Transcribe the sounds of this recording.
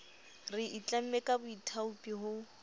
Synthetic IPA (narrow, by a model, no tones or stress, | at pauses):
rɪʔit͡ɬam̩mɛkʼabʊitʰaupʼiɦʊ